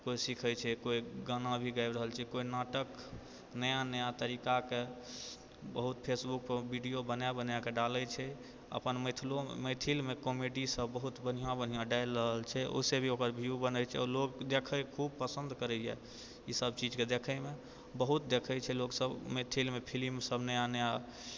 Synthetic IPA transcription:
koisikʰəjt͡ʃʰɛkoiɡanãbʱiɡaɪɾəɦəlt͡ʃʰɛkoinaʈək | nəjanəjat̪əɾikake | bəɦut̪pʰesbuk̚pəbiɖijobənabənjakeɖalət͡ʃʰɛ | ə̰pənmət̪ʰlo̰mət̪ʰilmekomeɖisəbːəɦut̪bən̤ijãbən̤ijãɖaɪlɾəɦəlt͡ʃʰɛo̰sebʱiokəɾbʱijubənət͡ʃʰɛ̰ɔlokd̪ekʰəkʰub̚pəsə̃nd̪kəɾɛjɛ̰ | isəbt͡ʃid͡ʒked̪ekʰəme | bəɦut̪̚d̪ekʰɛt͡ʃʰɛloksəbmet̪ʰilmepʰilimsəbʱnəjanəja

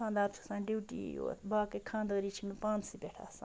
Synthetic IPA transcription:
kʰãːnd̪aːɾt͡ʃʰu̥sãːɖiːʈḭjo̰ːbaːkekʰãːnd̪əɾiːt͡ʃʰimẽpãːnsipʲeʈʰa̰ːsã̰

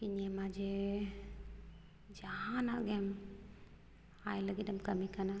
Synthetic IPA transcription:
kiɲɛmad͡ʒɛ | d͡ʒaɦanaʔɡɛm | ajləɡitɛmkəmikana

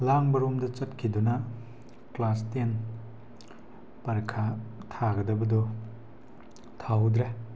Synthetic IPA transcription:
laŋbɐɾomdɐt͡ʃɐtkʰidunɐ | klasten | pɐɾkʰatʰaɡɐdɐbɐdɔ | tʰawdɾe

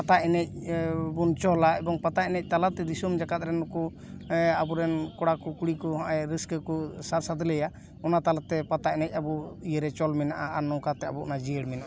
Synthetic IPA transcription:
pat̪aɛnɛc̚bunt͡ʃɔlaʔɛbɔŋpat̪aʔɛnɛc̚t̪alat̪ɛd̪isumd͡ʒakat̪̚ɾɛnɔku | abuɾɛnkɔɽakɔkuɽikɔɦɔ̃ʔɛɾiskəkusaɾsad̪lɛja | ɔnat̪alat̪ɛpat̪aɛnɛc̚ˀabuijəɾɛt͡ʃɔlmɛnaʔaanːɔwkat̪ɛabuʔɔnad͡ʒiəɽmɛnaʔa

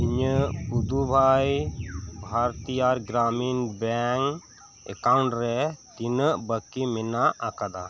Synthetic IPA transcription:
iɲəpud̪ubʱajbʱaɾt̪ijaɾɡɾaminbɛŋ | ɛ̰kauɳʈɾɛt̪inəʔbəkːimɛnaʔakad̪a

